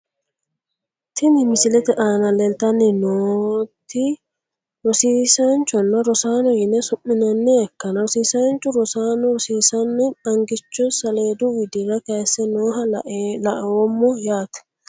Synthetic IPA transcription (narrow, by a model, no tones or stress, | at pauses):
t̪ʰɪnɪmɪsɪlɛt̪ɛʔaːnɐlɛlt̪ɐnːɪnoːt̪ːɪ | ɾɔsiːsant͡ʃɔnːɐɾɔsaːnɔjɪnɛsʊmːɪnɐnːɛɐkːɐnɐɾɔsiːsant͡ʃʊɾɔsaːnɔɾɔsiːsɐnːɛɐŋɡɪt͡ʃːɔsɐleːd̪uwɪd̪ɪɾɐkejsːɛnoːɦɐʔlɐʔɐwɔmːɔjaːt̪ɛ̥